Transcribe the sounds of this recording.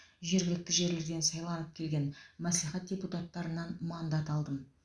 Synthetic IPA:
ʒe̞ɾɡʲɪlɪk̚t̪ɪʒe̞ɾle̞ɾd̪e̞nsɑjlˠɑnəp̚kʲʰe̞lɡʲe̞nmæsliχæt̪̚dʲe̞put̪ɑt̪ːɑɾənːɑnmɑnd̪ɑt̪ɑlˠd̪əm

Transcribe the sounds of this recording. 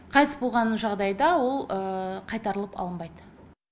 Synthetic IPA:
qʰɑj̪sbo̞lˠʁɑnʒɑʁd̪ɑjd̪ɑwo̞lˠəqʰɑjt̪ɑɾəlˠəpɑ̰lˠəmbɑjd̪ə

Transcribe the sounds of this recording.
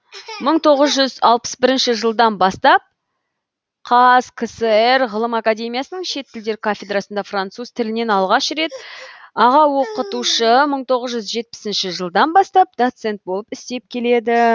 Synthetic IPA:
məɴt̪ʰo̞ʁəzʒʏzɑlˠpə̥sbɪɾɪnʃɪʒəlˠd̪ɑnbɑst̪ɑp̚ | qʰɑskʰəsəerʁəlˠəmakad̪ʲe̞mijasənəɴʃe̞t̪ːɪld̪e̞ɾkʰafʲe̞d̪rasənd̪ɑfrant̪suz̥t̪ʰɪlɪne̞nɑlˠʁɑʃɾe̞t̪ɑʁɑwo̞qət̪uʃəməɴt̪ʰo̞ʁəzʒʏzʒe̞t̪̚pɪ̥sɪnʃɪʒəlˠd̪ɑnbɑst̪ɑp̚d̪̥ot̪se̞nt̪̚bo̞lˠəpɪst̪e̞p̚kʲʰe̞le̞d̪ɪ

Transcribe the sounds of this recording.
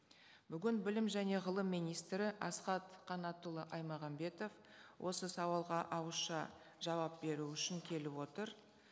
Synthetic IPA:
b̥ʏɡʲɪnbɪlɪmʒæne̞ʁəlˠəmːijnijst̪ɾɪʔɑsqɑt̪qʰɑnɑt̪əlˠəʔɑjmɑʁɑmbe̞t̪o̞f | wʔo̞səsɑwɑlˠʁɑʔɑwəsʃɑ̰ | ʒ̥ɑwɑp̚be̞ɾuʏʃɪŋkʲʰe̞lɪpwo̞t̪əɾ

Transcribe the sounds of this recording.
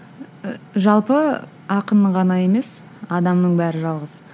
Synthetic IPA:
ʒɑlˠpə | ɑqənəʁɑnɑje̞me̞s | ɑd̪ɑmnəɴbæɾɪʒɑlˠʁəz

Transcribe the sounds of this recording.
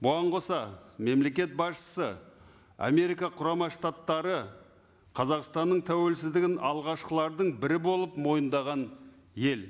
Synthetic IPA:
bʊɑɴqʰo̞sɑme̞mle̞kʲe̞t̪̚bɑsʃə̥sə | a̰me̞ɾijkɑqʰʊɾɑmɑʃt̪at̪ːɑɾə | qʰɑzɑqst̪ɑnːəɴt̪ʰæwe̞lsɪzd̪ɪɡʲɪnɑlˠʁɑʃqəlˠɑɾd̪əɴbɪɾɪbo̞lˠəpmo̞jənd̪ɑʁɑn | je̞l

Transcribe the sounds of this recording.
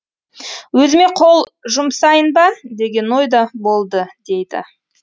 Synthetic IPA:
wɵzɪme̞qʰo̞lˠʒʊmsɑjənbɑd̪e̞ɡʲe̞no̞jd̪ɑbo̞lˠd̪əd̪̥e̞jd̪ɪ̰

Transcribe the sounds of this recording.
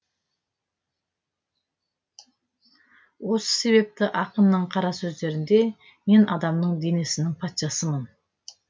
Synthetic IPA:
wo̞sə̥se̞βe̞p̚t̪ɪʔɑqənːəɴqʰɑɾɑsɵzd̪e̞ɾɪnd̪e̞ | me̞nʔɑd̪ɑmnəɴd̪e̞ne̞sɪnɪŋpʰɑt̪ʃɑsəmən

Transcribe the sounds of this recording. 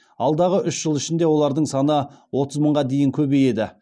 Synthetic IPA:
ɑlˠd̪ɑʁəʔʏʃʒ̥əlˠɪʃɪnd̪e̞wo̞lˠɑɾd̪əɴsɑnəwo̞t̪əzməɴʁɑd̪e̞jɪŋkʲʰɵbeje̞d̪ɪ

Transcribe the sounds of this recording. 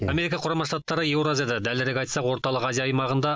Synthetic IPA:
ame̞ɾikɑqʰʊɾɑmɑʃt̪ɑt̪ːɑɾəjewɾoazjed̪ɪd̪æleɾekʲɑjt̪sɑqwo̞ɾt̪ɑlˠəqɑzijɑːjmɑʁənd̪ɑ

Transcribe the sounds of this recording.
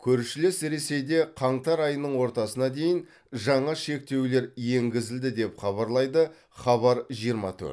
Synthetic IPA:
kʲʰɵɾʃɪlesɾe̞se̞jd̪e̞qʰɑɴt̪ɑɾɑjənəɴwo̞ɾt̪ɑsənɑd̪e̞jɪn | ʒɑɴɑʃe̞k̚t̪e̞wle̞ɾje̞ŋɡʲɪzɪld̪ɪd̪e̞pχɑβɑɾlˠɑjd̪ə | χɑβɑɾʒijəɾmɑ̰t̪ʰɵ̰ɾt̪

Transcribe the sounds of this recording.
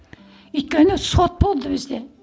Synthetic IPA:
yt̪̚kʲønɪsot̪̚bolˠd̪ɪbɪzd̪ɛ

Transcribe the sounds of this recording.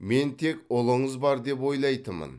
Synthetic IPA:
me̞nt̪ʰe̞kʊlˠəɴəzbɑɾd̪e̞pwo̞jlˠɑjt̪əmə̰n

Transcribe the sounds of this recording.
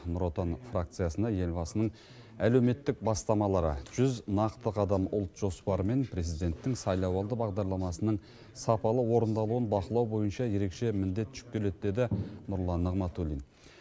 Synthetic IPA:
nʊɾot̪onfrak̚t̪sɨjasənd̪ɑje̞lʲbɑsənəɴ | ælewme̞t̪ːɪk̚bɑst̪ɑmɑlˠɑɾə̰ʒ̥ʏznɑqt̪əqɑd̪ɑmʊlˠt̪ʒ̥o̞spɑɾəme̞npʰɾe̞zijd̪e̞nt̪ːɪŋsɑjlˠɑwɑlˠd̪əbɑʁd̪ɑɾlˠɑmɑsənəɴ | sɑpɑlˠəwo̞ɾənd̪ɑlˠuənbɑqəlˠɑwbo̞jənʃɑje̞ɾe̞kʃe̞mɪnd̪e̞t̪ːʏ̥ʃʏ̥p̚kʲʰe̞le̞d̪d̪e̞d̪ɪnʊɾlˠɑnːəʁmɑt̪ulʲin

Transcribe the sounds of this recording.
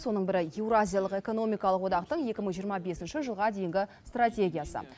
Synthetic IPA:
swo̞nəɴbɪɾɪewɾazʲijalˠəqe̞ko̞no̞mijkɑlˠəqwo̞d̪ɑq̚t̪əɴje̞kʲɪməɴʒijəɾmɑbe̞sɪnʃɪʒəlˠʁɑd̪e̞jɪŋɡʲɪst̪rat̪ʲe̞ɡʲijasə̰

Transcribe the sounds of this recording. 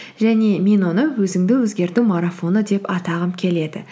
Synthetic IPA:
ʒæne̞mʲe̞nonəwɵzɪŋd̪ɪwɵzɡʲe̞ɾt̪umaɾafo̞nəd̪e̞pɑt̪ɑʁəmkʲʰe̞le̞d̪ɪ̰

